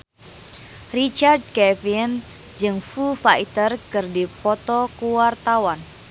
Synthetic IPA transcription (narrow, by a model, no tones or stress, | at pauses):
rit͡ʃard̚kɛfin | d͡ʒɨŋfufait̪ərkɨrdipɔt̪ɔkuwart̪awan